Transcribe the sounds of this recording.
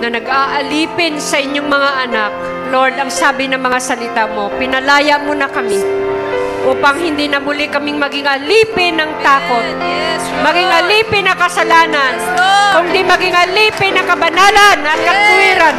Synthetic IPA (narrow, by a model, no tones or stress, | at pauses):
nɐnɐɡaːʔɐliːpɪnsɐʔɪɲjo̞ŋmɐŋaʔɐnak̚ | loɹd̪ɐŋsaːbɪnɐŋmɐŋasɐlɪt̪amo̞pɪnɐlaːjɐʔmonɐkɐmɪ | ʔuːpɐŋhɪnd̪inɐmʊlɪkɐmɪŋmɐɡɪŋɐliːpɪnɐŋt̪aːko̞t̪̚ | mɐɡɪŋɐliːpɪnɐŋkɐsɐlaːnɐnkʊŋd̪imɐɡɪŋʔɐliːpɪnɐŋkɐbɐnaːlɐnʔɐt̪̚kɐt̪ʊwiːɾan